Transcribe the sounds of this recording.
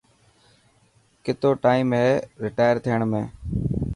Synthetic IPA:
kɪt̪oːʈaːimɦeːɾɪʈaːjəɾt̪ʰijəɳmẽː

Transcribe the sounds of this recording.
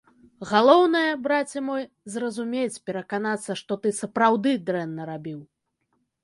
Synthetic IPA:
ɣalˠɔwnɐjɐbɾat͡sʲɛmɔj | zrɐzumʲet͡sʲpʲɛɾɐkanat̪sːɐʂt̪ɔt̪ɨsɐpɾawd̪ɨd̪ɾɛnːɐɾabʲiw

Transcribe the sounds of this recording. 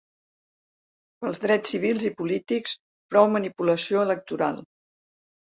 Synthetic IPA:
pəlˠzðɾɛt͡ssːiβ̞ilˠzipulit̪iks | pɾɔwmənipuləsioələk̚t̪uɾa̰lˠ

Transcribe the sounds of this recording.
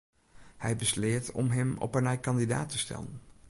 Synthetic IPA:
hɛjbəslɪːtɔ̰mɦɛmɔ̰pənɛjkɑndida̰ːtəstɛ̰lən

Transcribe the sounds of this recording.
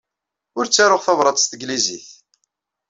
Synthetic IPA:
ʊɾt͡sːaɾʊʁθɑvɾˤɑd̪ˤst̪əɡliziθ

